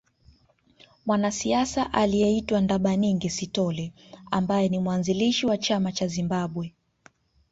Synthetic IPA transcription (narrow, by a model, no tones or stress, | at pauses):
mwanasiasaʔalijɛitwandaɓaɲiŋɡɛsitɔlɛambajɛnimwanziliʃiwat͡ʃamat͡ʃazimbaɓwɛ